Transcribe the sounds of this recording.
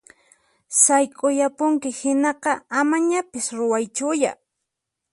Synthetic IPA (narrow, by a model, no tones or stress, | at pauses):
sajkʼʊjapʊŋkɪhɪnɑqɑamaɲapɪsɾʊwajt͡ʃʊja̰